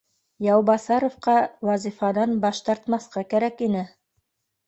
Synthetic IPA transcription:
jɑwbɑsɑɾŏfqɑwɑzifɑd̪ɑnbɑʃt̪ɑɾt̪mɑθqɑkæɾækinɘ

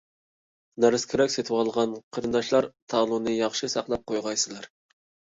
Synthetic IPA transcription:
næɾɪskʲʰiɾɛkʲset̪ʰɪwɑlˠʁɑnqʰəɾɨnd̪ɑʃlˠɑɾt̪ʰɑlˠunɨjɑχʃɨsɑqlˠɑp̚qʰojʁɑjsɨlˠɑɾ

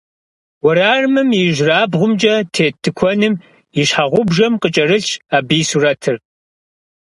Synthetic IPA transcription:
wɐɾaːrmɨmjɪʒraːbʁʷʊmt͡ʃʼɐtʰeːtʰːɨkʷʰɔnɨm | iɕħaʁʷʊbʒɐmqət͡ʃʼɐrɨɬaːbiːsurɐtʰɨr

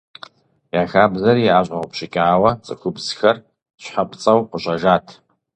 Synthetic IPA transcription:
jaxabzaɾiʕaʒʷʼapʰʃɪkʲʼʕawat͡sʼɨ̰kʷʰʊbzxɐr | ɕʷħapʼt͡sʼawqʼəɕʷʼaʒatʰ

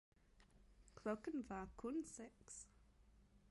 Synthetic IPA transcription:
kʰlɔkə̃nvakʰunsɛks

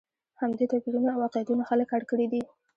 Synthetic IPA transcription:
hamd̪et̪apiɾunawɑqjat̪unaxaləkaɽkəɽid̪i

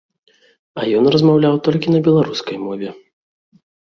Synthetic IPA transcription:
ɐjɔnrɐzmawlʲawt̪ɔlʲkʲinɐbʲɛlˠaɾuskɐjmɔvʲɛ

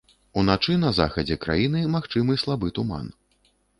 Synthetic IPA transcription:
unat͡ʂɨnɐza̰xɐd͡zʲɛkɾa̰jinɨmaxt͡ʂɨmɨslˠabɨt̪uma̰n

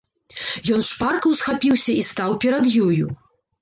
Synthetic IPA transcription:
jɔnʂparkɐwsxapʲiwsʲɐist̪awpʲɛɾɐd̪juju

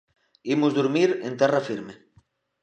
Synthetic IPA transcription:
imozðuɾmiɾent̪ɛrafiɾme

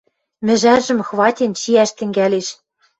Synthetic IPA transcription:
mɘ̆ʒæʒɘ̆mxβɑtʲent͡ɕiæʃt̪ɘ̆ŋɡæleʃ

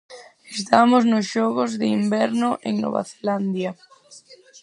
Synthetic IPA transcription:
est̪amʊznʊsʃɔɣʊzðɪimbɛɾnʊʔḛŋno̰βa̰θe̥land̪jɐ

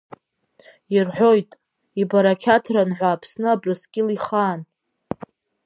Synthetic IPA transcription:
irħʷo̞jtʼ | ibaɾakʲʰatʰranħʷaːpʰsnɨabrɨskʲʼɪliχaːn

